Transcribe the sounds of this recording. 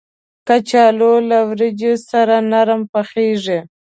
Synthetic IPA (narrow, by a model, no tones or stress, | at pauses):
kat͡ʃɑlolawɾɪd͡ʒesaɾanaɾmpaxeʐe